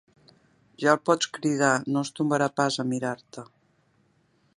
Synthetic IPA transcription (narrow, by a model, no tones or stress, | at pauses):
ʒalˠpɔt͡skɾiðanost̪umbəɾapazəmiɾaɾt̪ə